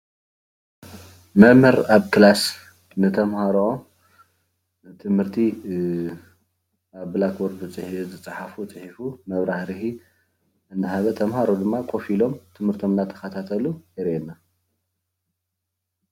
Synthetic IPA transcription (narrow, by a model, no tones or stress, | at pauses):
mɐmɨɾaβkʰɨlas | nɨt̪ʰɐmhaɾo | t̪ʰɨmhɨɾt̪ʰi | aβlakboɾɨt͡sʼɨħizɨt͡sʼaħafut͡sʼɨħifumɐβɾahɾɨhi | ɨnːɨɦaβɐt̪ʰɐmhaɾod̪ɨmːakʰʼo̞filo̞mt̪ʰɨmhɨɾt̪ʰo̞mnat̪ʰɐ̥xɐt̪ʰat̪ʰɐlujɛɾenːa